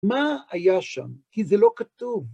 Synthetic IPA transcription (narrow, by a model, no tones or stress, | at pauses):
maːjaʃa̰mkizelo̞kat̪uv